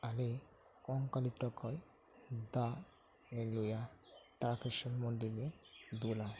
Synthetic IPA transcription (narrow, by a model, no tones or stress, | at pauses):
ale | kɔŋkalit̪ɾɔkʰɔj | d̪a | elujat̪aɾakɾiʃɔnmɔnd̪imied̪ula